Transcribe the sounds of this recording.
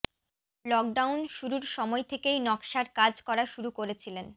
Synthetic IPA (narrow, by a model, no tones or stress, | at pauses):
lɔk̚ɖawnʃuɾuɾʃɔmɔet̪ʰekejnɔkʃaɾkad͡ʑkɔɾaʃuɾukoɾet͡ɕʰilen